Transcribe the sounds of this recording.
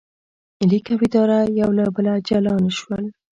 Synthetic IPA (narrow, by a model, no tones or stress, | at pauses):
ɪlikawɪd̪ɑɾajawlabəlad͡ʒalɑnʃwəl